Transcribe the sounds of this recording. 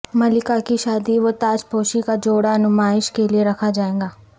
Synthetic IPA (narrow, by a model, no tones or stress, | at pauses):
mɐlɪkakiʃaːd̪iʋot̪aːt͡ʃpoːʃikad͡ʒoːɽaɐnʊmaːɪʃkelieɾɐkʰad͡ʒaːẽːɡaː